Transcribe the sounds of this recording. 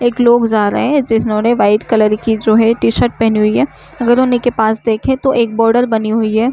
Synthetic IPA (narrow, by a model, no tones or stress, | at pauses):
eːkloːɡd͡ʒaːɾə̰ɦed͡ʒɪsnõːneʋaːɪɖkɐləɾikid͡ʒoːɦɛʈiːʃəɾʈ̚pɛɦniɦʊiɦɛː | ɐɡəɾɦʊnekepaːsd̪eːkʰẽt̪oʔeːk̚bɔːɾɖəɾbɐniɦʊiɦɛː